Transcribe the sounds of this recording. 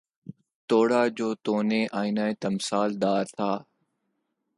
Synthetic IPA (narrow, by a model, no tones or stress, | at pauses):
t̪oːɽaːd͡ʒoːt̪oːneːʔaːinaːet̪əmsaːld̪aːɾt̪ʰaː